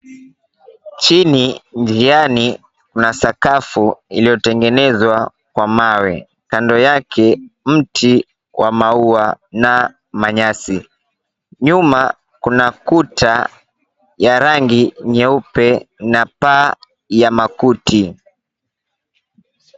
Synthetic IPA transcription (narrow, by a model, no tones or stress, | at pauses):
t͡ʃinind͡ʒiani | kunasakafuilijɔtɛŋɡɛnɛzwa | kwamawɛ | kandɔjakʰɛm̩tʰi | wʔamauana | maɲasi | ɲuma | kunakutʰa | jaɾaŋɡiɲɛupɛnapaː | jamakutʰi